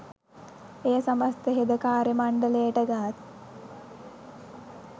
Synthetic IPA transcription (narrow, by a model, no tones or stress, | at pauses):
ejəsɐməst̪əɦed̪əkaːɾemaɳɖələjəʈəɡaɦat̪̚